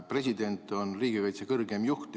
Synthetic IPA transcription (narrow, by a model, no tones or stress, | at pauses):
pre̞s̬ʲid̪e̞nt̪ːˑo̞nriːɡikɑjt̪sekɤrɡe̞mjuht̪